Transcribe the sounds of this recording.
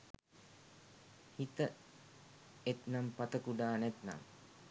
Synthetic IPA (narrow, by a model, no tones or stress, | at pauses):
hit̪ə | et̪nampat̪əkuɖaːnɛt̪na̰m